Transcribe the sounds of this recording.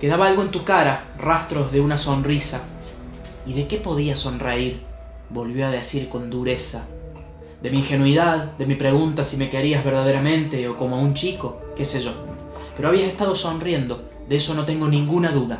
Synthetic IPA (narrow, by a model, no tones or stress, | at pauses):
ke̞ðaβaalɣoe̞nt̪ukaɾa | rast̪ɾo̞zðe̞unaso̞nrisa | iðe̞ke̞po̞ðiaso̞nreiɾ | bo̞lβjo̞aðe̞siɾko̞nd̪uɾe̞sa | d̪e̞miːŋxe̞nwiðaðd̪e̞mipɾe̞ɣunt̪asime̞keɾiazβe̞ɾðað̞eɾamẽ̞nt̪e̞oko̞moaunt͡ʃiko̞ke̞seʒo̞ | peɾoaβiase̞st̪aðo̞so̞nrje̞nd̪o̞ | d̪eeso̞no̞t̪e̞ŋɡo̞nĩŋɡunaðuða